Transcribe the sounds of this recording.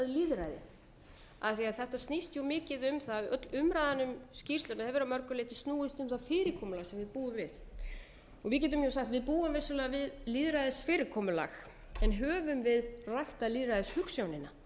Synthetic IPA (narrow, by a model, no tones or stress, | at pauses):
ðliːðɾajðɪ̰ | a̰ðθiaðθɛht̪ast̪nist̪jumɪːcɪðʏmθaðœt̪lʏmɾaːjðanʏmscir̥st̪lʏnaðhɛvʏɾamœɾkʏlɪːt̪ɪ̥st̪nuːɪst̪ʏmθafɪːɾɪkʰɔːmʏlaɣsɛmvɪðpuːʏmvɪð | ɔɣvɪðc̬ɛːt̪̬ʏmjasaxt̪vɪðpuːʏmvesːʏlɛːɣavɪðliːðɾajðɪsfɪːɾɪkʰɔːmʏla̰x | ɛnɦœːvʏmvɪðrajht̪aliːðɾajðɪshʏksjawnɪnːa